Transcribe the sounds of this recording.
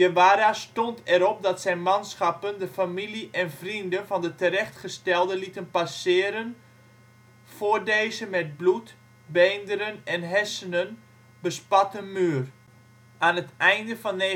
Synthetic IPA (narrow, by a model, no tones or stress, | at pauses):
jəʋaːɾastɔntʰɛɾɔp̚dɔtsɛjnmansxapəndəfamiliʔɛnfrindənfɔndətəɾɛxtχəstɛlˠdəlitənpasɪːəɾən | fordeːzəmɛt̚blut | bejndəɾənɛnɦɛsənən | bəspatəmyːər | anətɛjndəfɔnːe